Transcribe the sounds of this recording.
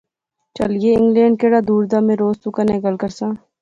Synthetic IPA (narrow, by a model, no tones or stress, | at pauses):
t͡ʃɐ̰ljeɪ̃ŋɡlẽːɳɖ̚keɽaːd̪uːɾd̪aːmẽɾoːst̪ukanekəlkəɾsãː